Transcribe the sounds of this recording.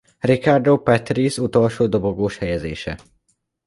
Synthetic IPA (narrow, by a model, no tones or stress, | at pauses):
rikard̪owpɛt̪ɾisut̪olʃoːd̪oboɡoːʃhɛjɛzḛːʃɛ̰